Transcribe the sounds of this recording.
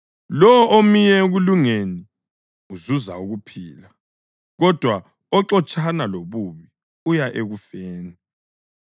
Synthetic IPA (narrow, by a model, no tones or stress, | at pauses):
lɔɔʔomijɛɣuluŋeni | uzuzauɣupʰiːla | ɣɔd̥ʱwa | ɔǁɔt͡ʃʼanaloβuβi | ujaʔeɣufeːni